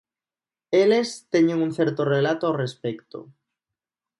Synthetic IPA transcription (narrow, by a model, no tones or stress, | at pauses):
elest̪eɲẽŋun̟θeɾt̪orelat̪oawrespekt̪o̰